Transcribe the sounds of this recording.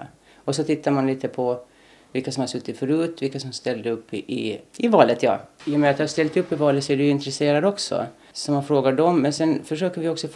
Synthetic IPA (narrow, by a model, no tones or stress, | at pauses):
ɔsɔt̪ʰɪt̪ʰːaɾmanliːt̪əpʰɔ | vɪlkːasɔmhaɾsɵt̪ːɪt̪fœɾʉ̟ːt̪vɪlkːasɔmst̪ɛld̪əɵpːɪ̰ɪvɑːlət̪jɑ̰ːjəmɛɾat̪d̪haɾst̪ɛlt̪ɵpːɪvɑːlət̪sɔæɖɵɪnt̪ɾɛseːɾad̪ɔksɔ̰ | sɔmanfɾoːɡaɖɔmːɛnsɛnfœʂøːkəɾvɪɔksɔf